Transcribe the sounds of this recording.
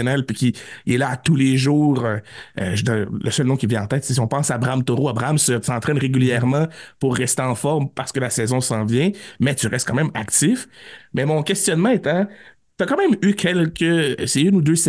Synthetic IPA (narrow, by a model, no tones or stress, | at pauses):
nɛlpɥikʲiiɛlaːt̪uleʒuːʁøø̰ʒd̪lʔəsœlnɔ̃kʲivjɛ̃ɑ̃t̪ɛːt̪sɛsiɔ̃pɑ̃sabʁamt̪oʁoabʁamsəsɑ̃t̪χɛnʁeɡʲyljɛʁmɑ̃puʁːɛst̪eɑ̃fɔʁmpaʁsə̥kəlasɛːzɔ̃sɑ̃vjɛ̃mɛt̪yʁɛst̪̚kãmɛ̃ma̰kt̪ɪfmɛmɔ̃kʲɛst̪jɔnmɑ̃ɛt̪ɛ̃ | t̪yakãmɛ̃mykʲʰɛlkʲəsɛynud̪øsɛ